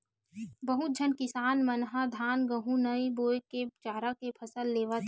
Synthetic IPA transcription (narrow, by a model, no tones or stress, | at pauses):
bəɦʊt̪̚d͡ʒʱənkɪsaːnmənɦad̪ʱaːnɡəɦũnəiboːjket͡ʃaːɾakepʰəsəlːeːʋat̪ʰ